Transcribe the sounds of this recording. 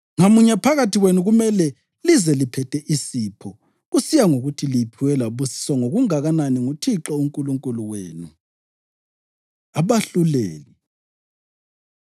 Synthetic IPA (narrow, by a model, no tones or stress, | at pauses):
ŋamuɲapʰaɣatʰiɣwenuɣumɛlɛ | lizɛlipʰɛtʰɛʔisipʰɔ | ɣusijaŋoɣutʰilipʰiwɛlaβusi̥swaŋoɣuŋaɣananiŋutʰiǁɔuŋkʼuluŋkʼuluweːnu | aβaɬuleːli